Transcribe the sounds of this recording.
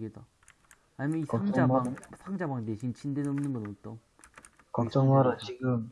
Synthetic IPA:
ɡeda | aɲimjʌniaŋd͡ʑaaŋsʰaŋd͡ʑabaŋteɕʰint͡ɕʰindenʌmnɯnɡʌnoŋɯt͈o | kʌt͡ɕ͈ʌŋwaɾat͡ɕiɡɯm

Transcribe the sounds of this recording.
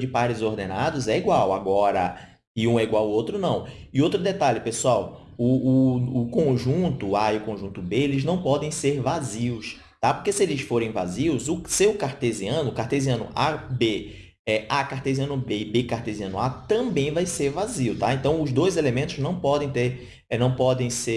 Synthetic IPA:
d͡ʒɪpaɾɾɪzoɾd̪ẽnad̪ʊzɛiɡwawaɡɔɾɐ̰ | ɪũɛiɡwawowt̪ɾʊnɐ̃w̃ | ɪowt̪ɾʊd̪et̪aʎʊpesuaw | ʊːkõʒũt̪ʊaiʊkõʒũt̪ʊbeelɪznɐ̃w̃pɔd̪ẽj̃seɾvaziʊs | t̪apoɾkesielɪsfoɾẽj̃va̰ziʊzʊsewkaɾt̪eziɐ̃nʊkaɾt̪eziɐ̃nʊ̰ʔa̰be | ɛakaɾt̪eziɐ̃nʊbebekaɾt̪eziɐ̃nʊat̪ɐ̃bẽj̃vajseɾvaziwt̪aẽnt̪ɐ̃w̃ʊzd̪ojzelemẽnt̪ʊznɐ̃w̃pɔd̪ẽj̃t̪eɾ | nɐ̃w̃pɔd̪ẽj̃se

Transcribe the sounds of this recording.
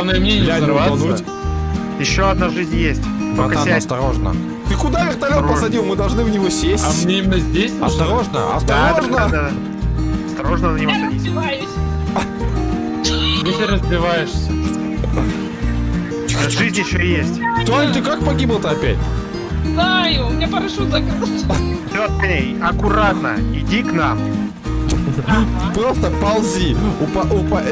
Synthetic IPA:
vnəjəmnʲenʲjlʲavanutʲ | jɪɕːoɐd̪̚naʐɨzʲnʲjesʲt̪ʲok̪ːst̪ɐɾo̞ʐnə̰ | t̪ɨkʊd̪avʲɪrt̪ɐlʲotpəsɐdʲilˠmɨd̪ɐlˠʐnɨvnʲɪvo̞sʲesʲanʲeimʲɪnəzʲdʲesʲɐ̰st̪ɐɾo̞ʐnə̰ɐ̰st̪ɐɾo̞ʐnə | ɐst̪ɐɾoʐnənənʲɪvosɐditʲj | nɨsʲeɾəzvʲɪvajɪʂsʲə | oʐɨzʲnʲɪɕːojesʲtʲt̪ot̪ɨkak̚pɐɡʲiblˠt̪ɨɐpʲætʲ | znajʊmʲɲʲapəɾɐʂozɐkɾɨlˠtʲsʲoɐt̪nʲe | ɐkʊɾat̪nəɪdʲiknam | pɾost̪əpɐlˠzʲiʊpɐʔpɐ

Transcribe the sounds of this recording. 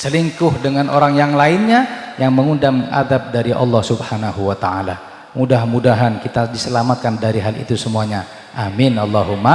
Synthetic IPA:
səliŋkʊhdəŋanʔoɾaŋjaŋlaɪnɲajaŋməŋundama̰d̪ap̚daɾiʔɑ̰lːɑhsubhanahuwat̪aala | mudaɦmudaɦankit̪adisəlamat̪̚kandaɾiɦalḭt̪usəmuaɲa | ʔamɪnɑlːɑɦuma

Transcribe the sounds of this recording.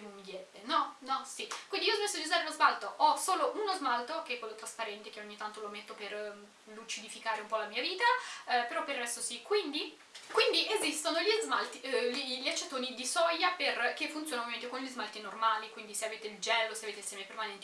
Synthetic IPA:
umd̪jɛbːenɔnɔsikwind̪iiːɔzmesːoad̪iuzaːɾelozbalt̪oʔɔsoːloʔunozmalt̪okeɛkːwelːot̪ɾaspaɾɛnt̪ekeoɲːit̪ːant̪olomet̪ːoper | lut͡ʃid̪ifikaːɾeumpɔlamiːaviːt̪apeɾɔpːerːɛst̪osikwind̪i | kwind̪iʔezist̪onoʎizmalt̪iliʎiat͡ʃːat̪oːnid̪isɔjaperkefːunsjonaovjaẽnt̪ekonʎizmalt̪inormaːlikwind̪iseaveːt̪eild͡ʒɛlːoseaveːt̪elsjɛːmepermanɛnt̪i

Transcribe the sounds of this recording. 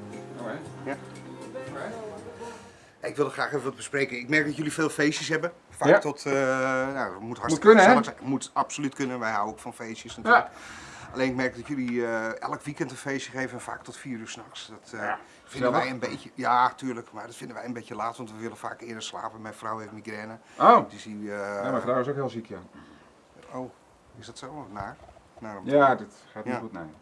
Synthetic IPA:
jaɪkʋɪlˠdəxraːxevəʋɔtbəsprejkənɪkmɛrk̚dɔtjølifeːlˠfejsjəsɦɛbə | faːktɔt | namuthastəkssmutapsolytkønənʋɛjɦawokfɔnfejsjəsnatːlkaleːnɪkmɛrk̚dɔtjøliɛ̰lˠəkʋikɛntənfejsjəxejvənɛnfa̰ːktɔtfiəryːrsnɔxsdɔt | fɪ̃ndʋɛjənbeəjatyːrləkmardɔtfɪndəʋɛjənbecəlaːtʋɑntʋəʋɪlˠənfa̰ːkɪədərsla̰ːpənmɛjfrawɛfmiɡrɛnəodisimafndaːɪsokhɪːlˠzikʰja | oː | ɪsdɔtsona | narɔmjadɪt | xaːtːutnɛj

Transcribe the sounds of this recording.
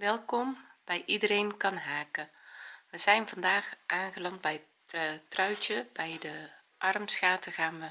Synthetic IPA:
ʋɛlˠkɔmb̥ɛjʔidəɾejnkɑnɦaːkəʋəzɛjnvɑndaːxʔaːnɣəlɑnd̚bɛjtətrœɥt͡ʃəbɛjdə | ʔɑrmsxaːtəɣaːnʋə

